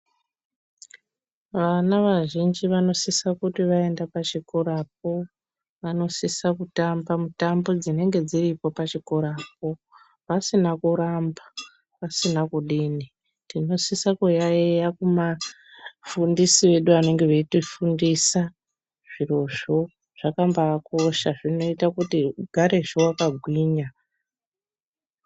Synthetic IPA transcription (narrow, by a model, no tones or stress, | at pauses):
ʋanaʋaʒind͡ʒiʋano̞sisakutiʋae̞ndapat͡ʃiko̞ɾap̚o̞ | ʋano̞sisakutambamutambo̞d͡zine̞ŋɡe̞d͡ziripo̞pat͡ʃiko̞ɾap̚o̞ | ʋasinakuɾamba | pasinakuɗini | tino̞sisakujaejakuma | fundisiʋe̞ɗuane̞ŋɡe̞ʋetifundisa | ʐ̥iro̞ʐo̞ | ʐ̥akambaːko̞ʃaʐino̞itakutiɡʱaɾe̞ʐowakaɡʱwiːɲa